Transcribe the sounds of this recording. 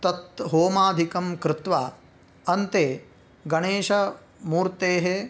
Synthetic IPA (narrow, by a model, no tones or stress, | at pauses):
t̪ɐt̪ɦoːmaːd̪ʱikɐmkɾɪt̪ʋaː | ɐnt̪eː | ɡɐɳeːʃɐ | muːɾt̪eːɦe